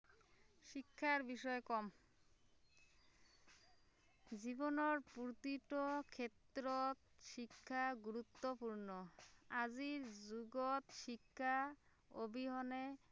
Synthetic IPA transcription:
ʃikʰːaɾbiʃɔekɔm | d͡ʑibonoɾpuɾt̪iʈokʰet̪ːɾot̪ʃikʰːaɡuɾut̪ːopuɾnoad͡ʑiɾzuɡot̪ʃikʰːa | obʱiɦɔne

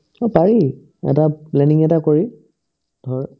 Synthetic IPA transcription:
ɔpaɹi | ɛ̰taplɛniŋɛtakoɹi | d̥ʱɔɹ

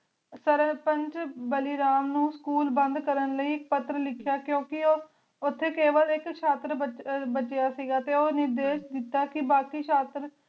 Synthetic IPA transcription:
səɾəpənt͡ʃbəliːɾaːmnũːskuːlbənd̪kəɾənləiːɪk̚pət̪ːɾəlɪkʰjaːkjõːkɪo | ʊt̪ʰːeːkeːʋəlɪkt͡ʃʰaːt̪ɾəbbət͡ʃejaːsiːɡaːt̪eːoːnɪɾd̪eːʃd̪ɪt̪ːaːkɪbaːkiːt͡ʃʰaːt̪ɾ

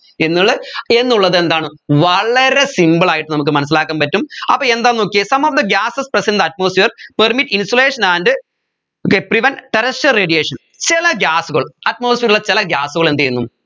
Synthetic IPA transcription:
e̞nːɐɭːɨe̞nːuɭːɐðe̞nd̪aːɳɨʋɐɭɐɾe̞simbɐɭaːjiʈːɨnɐmuk̬ːɨmɐnɐsːilaːkːaːmpɐtːumɐ̰pːɐːend̪aːnokːesɐmɐfd̪ɐɡaːsɨsprɐsend̪ɐʈ̚moːsfiɐrpɐrmiʈːinsoleːʂɐnaːndɨ | okːepriʋɐnʈɐɾɐsʈɐreːɖijeːʂɐn | t͡ɕilɐɡʲjaːsuɣɐɭɐt̚mo̞ːsfiːɾiɭːɐt͡ɕilɐɡjaːsuɣɐɭend̪ejunːum

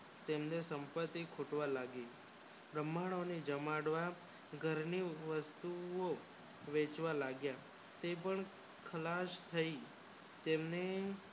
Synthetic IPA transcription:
t̪emnesəmpət̪ːikʰoʈʋalaɡe | bɾəmaɽ̃oned͡ʒəmaɽʋa | ɡʱəɾniʋəst̪uo | ʋet͡ʃʋalaɡja | t̪epəɳ | kʰəlaʃt̪ʰəi | t̪emne

